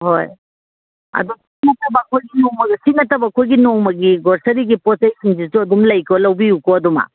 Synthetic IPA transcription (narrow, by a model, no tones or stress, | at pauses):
hɔj | ɐ̰d̪ɔsiŋɐtɐbakʰɔjɡinɔwmɐɡisiŋɐtɐbakʰɔjɡinɔwmɐɡiɡɔɾsɐɾiɡipɔsajsʰind͡ʒituɐdumlɐjkɔlɐwbiukɔɐdɔma̰